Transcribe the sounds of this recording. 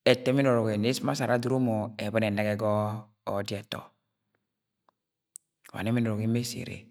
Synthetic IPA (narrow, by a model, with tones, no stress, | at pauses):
ɛ˨tɛ˦mi˦no˨ɾɔ˨ɡe˨ne˦sma˦sa˨ɾa˦du˦ɾo˦mo˨ɛ˨bɛ˦nɛ˨ne˦ɡɛ˦ɡɔː˦ | di˦ɛ˨tɔ̰˨ | wa̰˨ne˦mi˦nɔ˨ɾo˨ɡi˨˦me˦sḛ˨ɾḛ˨